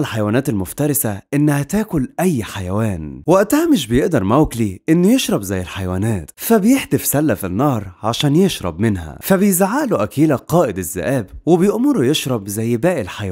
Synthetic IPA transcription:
lħajwæːnæːt̪elmʊft̪ɑɾˤɪsæʔɪnːæhæt̪æːkʊlʔæjːħajæwæːnwɪʔæt̪æhmɪʃ̬bejeʔd̪ɑɾˤmæwkliʔɪnːjeʃɾˤɑbzæjːelħajwæːnæːt̪fæbejeħd̪efsælːæfinːɑːɾˤʕaʃæːnjeʃɾˤɑ̰bmɪnhæ̰fæbejzʕaːloʔækiːlæqɑːʔɪd̪ɪzːæ̰ʔæːbwebejoʔmʊɾujeʃɾˤɑbzæjːbæːʔɪlħaj

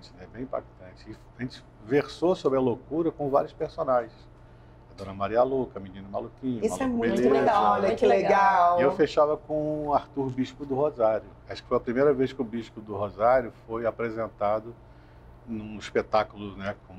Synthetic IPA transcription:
t͡ʃnɛɛbẽj̃ĩpa̰k̚t̪ɐ̃t͡ʃɪɪaʒẽnt͡ʃɪ̥ | veɾsosobɾɪɐlokuɾɐkõvaɾjʊspeɾsonaʒẽs | ɐd̪õnɐmaɾialokɐminĩnɐma̰lukĩɲismaluɛmũẽleeaɔʎɐkleɡawewfeʃavɐkõaɾt̪uɾbiʃkʊd̪ʊɦozaɾʊ | aʃkɪfojɐpɾimejɾɐvejʃkɪʊbiʃkʊd̪ʊɦozaɾʊfojapɾezẽnt̪ad̪ʊ | nũiʃpet̪akʊlʊnɛkõ

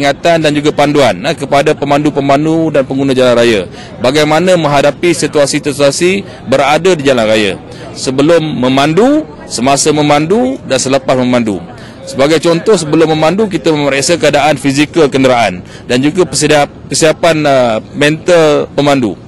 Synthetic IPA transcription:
əiŋat̪andand͡ʒuɡapanduankəpadapəmãndupəmandudanpəŋɡunãd͡ʒalanɾaja̰ | baɡajmanãmə̃ŋɦadapisit̪uasit̪əsasi | bəɾadadid͡ʒalanraja̰ | səbəlʊmːə̃mãndu | səmasəmə̃mandudansələpasmə̃mãndṵ | səbaɡajt͡ʃɔnt̪ɔhsəbəlʊmːə̃mãnduk̬it̪aməməɾeʔsakəadaʔanfizikəlkəndəɾaʔan | dand͡ʒuɡapəsa | kəsiapanmɛ̃nt̪əlpəmandṵ

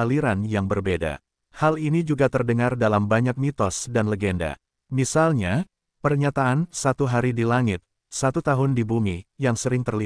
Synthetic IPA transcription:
aliɾanjaŋbərbeda̰ | halinid͡ʒuɡat̪ərdəŋardalambaɲak̚mit̪ɔsdanləɡenda̰ | misalɲa | pərɲat̪aːnsat̪uɦaɾidilaŋɪt̪̚ | sat̪ut̪aɦʊndibumijaŋsəɾɪŋt̪ərli

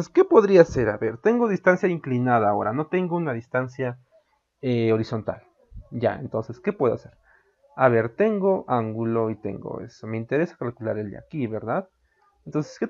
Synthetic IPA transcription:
skepoðɾiase̞ɾa̰βeɾt̪eŋɡo̞ð̞ist̪ansjaiŋklinaðaːoɾano̞t̪e̞ŋɡounaðist̪ansja | eoɾiso̞nt̪a̰l | ja̰ḛnt̪onseske̞pweðoase̞ɾ | aβe̞ɾt̪e̞ŋɡoʔaŋɡuloit̪ḛŋɡo̰ḛsome̞int̪eɾesḁkalkula̰ɾeld̪̰a̰kiβeɾðað | ent̪onseske

